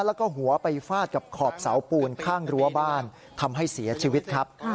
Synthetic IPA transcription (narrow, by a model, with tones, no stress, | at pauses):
lɛː˦˥wkɔː˥˩ɦu˩˦ɐpa˧jfaː˥˩t̪̚ka˨˩p̚kʰɔː˨˩p̚sa˩˦wpuː˧nkʰaː˥˩ŋɾu˦˥ɐbaː˥˩n | t̪ʰa˧mɦa˥˩jsi˩˦ɐt͡ɕʰiː˧˩wi˦˥t̪̚kʰɾa˦˥p̚